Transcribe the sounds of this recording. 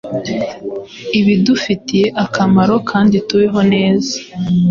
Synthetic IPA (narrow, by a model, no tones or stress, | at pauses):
iβidufitije̞ʔakamaɾo̞kʰaːndituwiɦo̞ne̞ːzḁ